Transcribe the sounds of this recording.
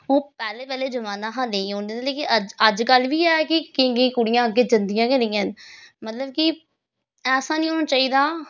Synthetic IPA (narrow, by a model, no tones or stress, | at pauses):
oːpɛːleːpɛːleːd͡ʒəmaːnãːɦãːnẽĩːɦõːnd̪eːeleːkɪʔəd͡ʒəd͡ʒkəlʋiːɛːkɪkɪ̃ŋɡĩːkʊɽɪjãːɡeːd͡ʒənd̪ɪjãːkənɪ̃jãːnmət̪ləb̚kɪ | ɛːsãːnĩːɦoːnaːt͡ʃaːiːd̪aː